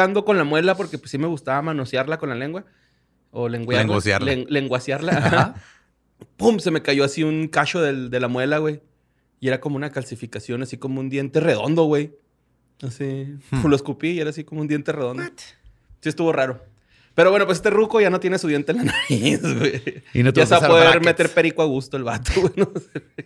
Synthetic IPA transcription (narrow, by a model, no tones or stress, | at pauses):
and̪o̞ko̞nlamwe̞lapo̞ɾkepwesːime̞ɣust̪aβamanosjaɾlako̞nlale̞ŋɡwa | oleŋɡwasa̰leŋɡwasjaɾlaa | pumse̞me̞kaʝo̞asiuŋkat͡ʃo̞ðe̞ld̪e̞lamwe̞laɣwe̞j | ie̞ɾako̞mounakalsifikasjo̞nasiko̞mound̪je̞nt̪e̞re̞ð̞o̞̰nd̪o̞ɣwe̞j | asiuloeskupie̞ɾaːs̬ikomound̪je̞nt̪ere̞ð̞o̞nd̪o | siest̪uβo̞raɾo̞ | pe̞ɾoβwe̞nopwesest̪erukoʝano̞t̪je̞nesuðje̞nt̪enlanaβizɣweinoasapoðeɾmet̪e̞ɾpe̞ɾikwoaɣust̪oelβat̪oɣwenose